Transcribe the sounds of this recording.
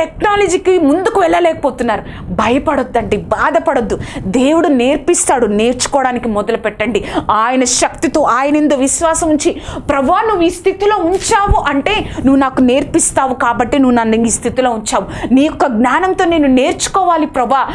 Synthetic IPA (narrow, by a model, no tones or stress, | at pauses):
ʈeknaːlɐd͡ʒiːkimund̪ukuʋɛɭːɐlɛːkɐpoːt̪unːaːɾu | bʱɐjɐpɐɽod̪ːɐɳɖibaːd̪ɐpɐɽod̪ːud̪e̞ːwuɽune̞ːɾpist̪aːɽune̞ːɾt͡ʃu̥kɔːɽaːnikimɔd̪ɐlɐpɛʈːɐɳɖiaːjɐnɐʃɐk̚t̪it̪o̞ːʔaːjɐnend̪oːʋiʃʋaːsɐmuɲt͡ʃipɾɐbaːnuʋːuiːst̪ʰit̪ilo̞ːuɲt͡ʃaːʋuʔɐɳʈe̞ːnuʋːunaːkune̞ːɾpist̪aːʋukaːbɐʈːenuʋːunɐnd̪ɐŋiːst̪ʰit̪ilo̞ːuɲt͡ʃaːʋuniːkɔkɐɡnaːnɐnt̪o̞ːne̞ːnune̞ːɾt͡ʃu̥kɔːʋaːlipɾɐbaː